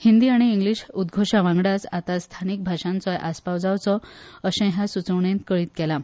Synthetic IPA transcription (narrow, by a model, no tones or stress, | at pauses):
hind̪iːaɽ̃iːŋɡliɕud̪ɡʱoɕaʋãŋɡɽasat̪ast̪ʰanik̚bʱaɕãnt͡sɔjʔaspaʋd͡zawt͡sɔəɕɛ̃ɦjasut͡səʋɳẽnt̪kəɭiːt̪̚kɛla